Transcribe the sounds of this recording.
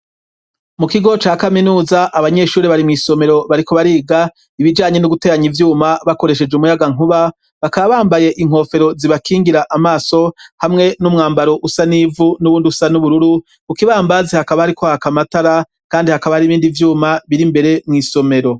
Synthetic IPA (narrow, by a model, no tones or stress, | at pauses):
mukiɡo̞t͡ʃaːkaminuːzaʔaβaɲe̞ʃuːɾiβaɾimŋiːso̞me̞ɾoβaɾiko̞βaɾiːɡa | iβid͡ʒaːɲe̞nuɡute̞ːɾaɲivjuːmaβako̞ɾe̞ʃe̞d͡ʒeumujaɡaŋ̥uβa | βakaβaβaːmbaje̞ʔiŋ̥o̞ːfe̞ɾo̞ziβakʰiːŋɡiɾaʔamaːso̞hamŋe̞numŋaːmbaɾo̞ʔusaniːvunuβuːndiusanuβuɾuɾu | kukiβaːmbazehakaβahaɾikʰohakamataɾa | kaːndihakaβahaɾiβiːndivjuːmaβiɾimbe̞ɾe̞mŋiːso̞me̞ɾo̞